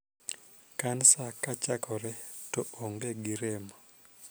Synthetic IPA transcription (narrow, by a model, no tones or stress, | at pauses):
kansakat͡ʃakʰɔɾɛtoʔoŋɡeɡiɾɛma